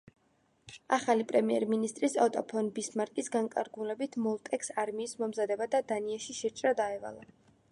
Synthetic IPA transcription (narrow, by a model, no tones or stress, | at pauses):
a̰χalipʼɾɛmiɛɾminist̪ʼɾisat̪ʼɔpʰɔnbismaɾkʼisɡaŋkʼa̰ɾɡulɛbit̪ʰmɔlˠt̪ʼɛksaɾmiːsmɔmzad̪ɛbad̪ad̪aniaʃiʃɛɾt͡ʃʼɾad̪aɛva̰lˠa